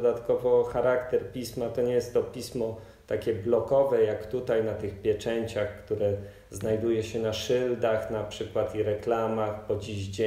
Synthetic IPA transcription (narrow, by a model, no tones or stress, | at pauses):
d̪at̪kɔvɔxaɾakt̪ɛɾpʲismat̪ɔɲɛjɛst̪ːɔpʲismɔ | t̪akʲɛblɔkɔvɛjakt̪ut̪ajnat̪ɘxpʲjɛt͡ʂɛɲt͡ɕaxkt̪uɾɛ | znajd̪ujɛɕɛnaʂɘld̪axnapʂɘkwat̪iɾɛklamaxpɔd͡ʑiʑd͡ʑe